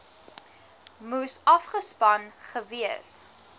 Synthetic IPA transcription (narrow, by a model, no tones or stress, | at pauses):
musɐfχəspɐnχəviəs